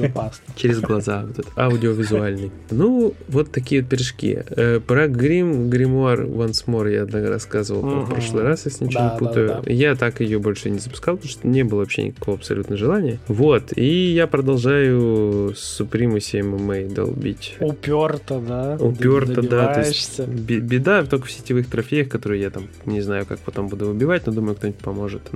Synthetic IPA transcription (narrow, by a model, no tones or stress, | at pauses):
t͡ɕɪɾʲɪzɡlˠɐzavot̪ɛt̪əaʊdʲɪovʲɪzʊalʲnɨj | nuvo̞t̪ːɐkʲijət̪̚pʲɾʲɪʂkʲḭəpɾəɡɾʲimɡɾʲɪmoarvɐnsmoɾjaɐd̪naɡəɾɐ̰skazɨvəlˠpppɾo̞ʂlˠɨjɾasjesʲlʲɪnʲɪt͡ɕnʲɪputt̪əjʊ̰jat̪akjɪjo̞bo̞lʲʂɨnʲɪzəpʊ̥skalˠp̪ʂt̪onʲebɨlˠəvɐpɕʲḛnʲɪ̰kɐ̥ko̞vəɐpsɐ̰lʲut̪nəʋəʐɨlˠanʲɪjəvo̞t̪ʰijapɾəd̪ɐlˠʐajʊsʊpɾʲimʊsʲemɨmed̪ɐ̰lˠbʲḭtʲʊpʲort̪əd̪aʊpʲort̪əd̪at̪osʲtbʲɪbʲɪd̪at̪okə̥fsʲɪ̥tʲɪvɨxt̪ɾɐfʲejəxkɐt̪o̞ɾɨjɪjat̪am | nʲɪznajʊkak̚pɐt̪o̞mbud̪ʊvɨbʲɪvat̚ʲno̞d̪uməjʊk̚t̪o̞nʲtʲpɐmo̞ʐɨt̪